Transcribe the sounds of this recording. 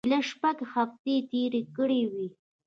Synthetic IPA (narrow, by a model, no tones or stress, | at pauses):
laʃpaɡxaft̪et̪eɾekəɽewi